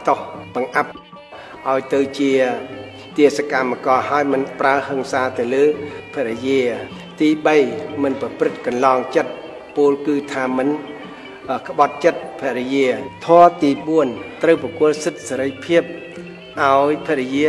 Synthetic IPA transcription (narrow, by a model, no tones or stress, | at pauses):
t̪ohɓɑŋʔap̚ | ʔaɔjt̪ɨwt͡ɕiə | t̪iəsakamːakɑːhaɔjmɨnpraəhəŋsaːt̪ɨwləːpʰɛəʔɾɛjiə | t̪iːɓəjmɨnprɑprɨt̪̚kɑnlɑːŋt͡ɕət̪̚ | puːlkɨːt̪ʰaːmɨn | kə̆ɓɑt̪̚t͡ɕət̪̚pʰɛʔɾijiət̪ʰɔət̪iːɓuənt̪rəwprɑkuət̪̚sɨt̪̚seɾəjpʰiəp̚ | ʔaɔjpʰɛəɾijiə